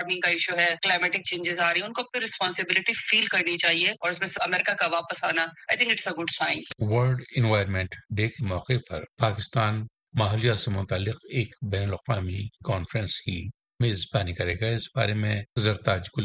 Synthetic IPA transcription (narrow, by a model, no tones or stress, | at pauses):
aɾmɪ̃ŋkaɪʃuɦɛklaɪmɛːʈɪk̚t͡ʃẽːɲd͡ʒɪzaːɾɐiɛʊnkopɪɾɪspɔ̃ːnsɪbɪlɪʈifiːlkɐɾnit͡ʃaːɦieɔːɾɪs̬mẽɐmɛːɾɪkakaʋaːpəsaːnaaːɪt̪ʰɪ̃ŋkɪʈsəɡʊɖsãɪ̃nʋəlɖɪ̃nʋaːjəɾmɛ̃ɳʈɖeːkemɔːqepɐ̰ɾpaːkɪst̪aːn | maːɦlijasemʊt̪aːlːɪqeːkbɛːnəlɐqʋaːmikɔːnfɾə̃nski | meːzbaːnikɐɾḛːɡaɪsba̰ːɾemẽzəɾt̪aːd͡ʒkʊl